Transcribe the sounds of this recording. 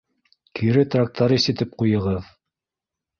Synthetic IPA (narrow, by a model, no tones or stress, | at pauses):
kiɾɘt̪rak̚t̪ʰɑɾisɘ̆t̪ɘp̚qujɤ̆ʁɤð